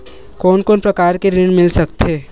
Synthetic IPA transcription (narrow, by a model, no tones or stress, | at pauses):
kɔːnkɔːnpɾɐkaːɾkeɾɪɳmɪlsɐk̚t̪eː